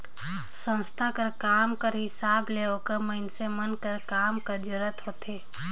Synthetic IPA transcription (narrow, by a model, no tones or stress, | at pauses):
sə̃nst̪ʰakəɾkaːmkəɾɦɪsaːbleokəməɪnsemənkəɾkaːmkəd͡ʒʊɾət̪ɦoːt̪e